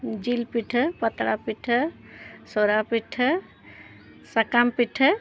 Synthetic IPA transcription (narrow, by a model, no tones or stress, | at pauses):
d͡ʒilpiʈʰəpət̪ɽapiʈʰə | soɾapiʈʰːə | səkampiʈʰə